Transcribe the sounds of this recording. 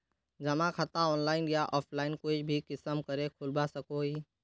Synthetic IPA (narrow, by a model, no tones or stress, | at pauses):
d͡ʒəmãkʰət̪aɔːnlaːɪnjaʔɔːpʰlaːɪnkoːbʱikɪsəmkəɾekʰʊlbasəkoːiː